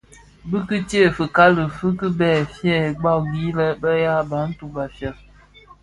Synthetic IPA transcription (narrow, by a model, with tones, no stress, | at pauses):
bɨ˦kɨ˦tje˦˨fɨ˨ka˦lɨ˨fɨ˦kɨ˦bɛ˦˨fjɛ˦˨ɡ͡ba˦˨wɡi˨˦lə˦bə˦ja˦ba˨˦n̩˦tu˨ba˨fjɛ˨l